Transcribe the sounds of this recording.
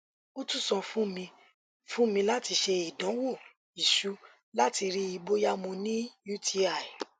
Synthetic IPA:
o˦tũ˦sɔ̃˧fũ˦mĩ˧ | fũ˦mĩ˧la˦ti˧ʃe˧i˨dã˨˦wo˦˨ | i˨ʃu˨˦ | la˦ti˧ɾi˦i˧bo˦ja˦mõ˧nĩ˦ju˦tʰi˧˦a˨i˨

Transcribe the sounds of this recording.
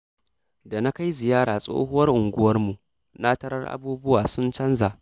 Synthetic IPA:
da˨na˦ka˦jzɪ˨jaː˦ɽaː˨sʼo̰ː˦hʊ˦wɐ˦rʔʊ˨ŋɡʷʊ˦wɐ˦rmu˨ʔ | na˦tɐ˦ɾɐ̰˦rʔa̰˦buː˦bʊ˦waː˨sʊ˦nt͡ʃɐ˦nza˨ʔ

